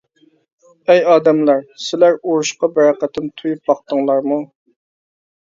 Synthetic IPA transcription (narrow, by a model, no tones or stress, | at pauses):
ɛjɑːd̪ɛmlɛɾsɪlæɾoɾuʃqɑbɛɾɑqæt̪ʰɪmt̪ʰujup̚bɑq̚t̪əŋlˠɑɾmu